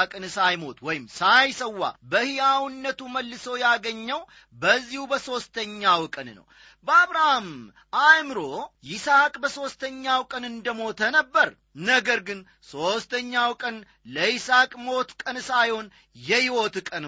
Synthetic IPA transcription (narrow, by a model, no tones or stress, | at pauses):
kʼɨnsajmo̞t̪wɔjɪmsajsəwːa̰bəhijawnːət̪uməlːɨsowjaɡəɲːəw | bəzːihubəso̞st̪ʰəɲːawkʼənnə̰w | bəaβɾahm | ajmɨɾo̞jɪsakʼbəso̞st̪ʰəɲːawkʼənɨnd̪əmo̞t̪ʰənəbːəɾ | nəɡəɾɡɨn | so̞st̪ʰəɲːawkʼən | ləɪsakʼmo̞t̪kʼənsajho̞n | jɛhiwo̞t̪kʼən